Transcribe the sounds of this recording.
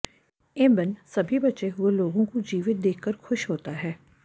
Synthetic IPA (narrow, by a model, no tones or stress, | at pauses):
ɪ̃mbənsɐbʱibɐtːʃeɦʊeloːɡõkod͡ʒiːʋɪt̪̚d̪eːkʰkːəɾxʊʃɦoːt̪aɦɛː